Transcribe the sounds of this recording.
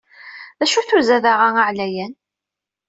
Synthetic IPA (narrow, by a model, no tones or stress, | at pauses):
ðæʃuθʊzæðaʁaaʕlæjæn